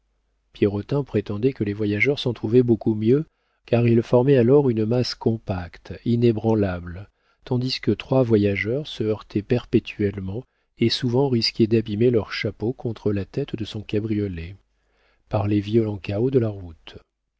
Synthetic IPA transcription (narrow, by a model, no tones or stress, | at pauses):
pjɛʁɔt̪ɛ̃pχet̪ɑ̃d̪ɛkəlevwajaʒœʁsɑ̃t̪χuvɛbokumjø | kaʁilfɔʁmɛalɔʁynəmaskɔ̃pakt̪inebʁɑ̃labl | t̪ɑ̃d̪iskət̪χwavwajaʒœʁsəœʁt̪ʰɛpɛʁpet̪ʰyɛlmɑ̃ | esuvɑ̃ʁiskʲɛd̪abimelœʁʃapokʰɔ̃t̪χəlat̪ɛt̪d̪əsɔ̃kabʁijɔlɛ | paʁlevijɔlɑ̃kaod̪əlaʁut̪